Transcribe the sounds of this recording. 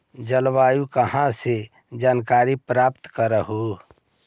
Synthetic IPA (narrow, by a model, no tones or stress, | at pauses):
d͡ʒəlwaːjũkəhãse | d͡ʒaːnkaːɾipɾaːpt̪kəɾəɦu